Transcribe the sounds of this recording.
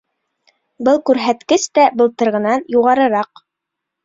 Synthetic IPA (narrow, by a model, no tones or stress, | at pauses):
bɤlˠkʉɾɦæt̪kɘst̪æbɤ̆lˠt̪ɤ̆ɾʁɤ̆nɑnjuʁɑɾɤ̆ɾɑq